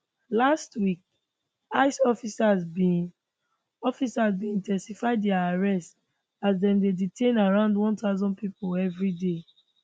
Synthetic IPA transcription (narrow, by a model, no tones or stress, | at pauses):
lastwik̚ | aɪsɔfisazbi | ɔfisazbĩĩntʰɛ̃nsifaɪddɛaaɹɛst | azdɛ̃mdeditʰẽnaɹãʊ̃ndwɔ̃ntaʊzɔ̃npipoɛvɹide